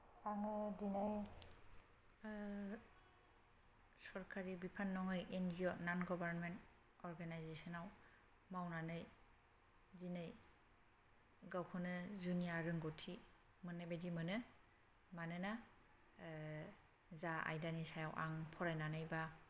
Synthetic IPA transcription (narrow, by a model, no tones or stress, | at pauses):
aŋɯdinaj | sɔɾkʰaɾibipʰanːɔŋɯjʔenziɔnanɡɔbaɾnment | ɔɾɡanajzesɔnaw | mawnanɯj | zinɯj | ɡawkʰɔnɯzunijaɾɯŋɡɔtʰi | mɯnːebedimɯnɯ | manɯna | zaa̰jdanisajawʔa̰ŋpʰɔɾajnanɯjba